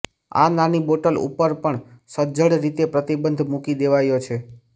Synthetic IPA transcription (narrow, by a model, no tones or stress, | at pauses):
a̰naniboʈəlṵpəɾpəɳsəd͡ʒəɽɾit̪epɾət̪ibənd̪ʱmukid̪eʋajot͡ʃʰe